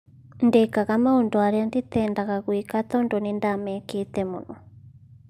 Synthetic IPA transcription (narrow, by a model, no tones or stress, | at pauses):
ndekaɣamaondoaɾɛandit̪ɛndaɣaɣwikat̪ɔndonindamɛket̪ɛmunɔ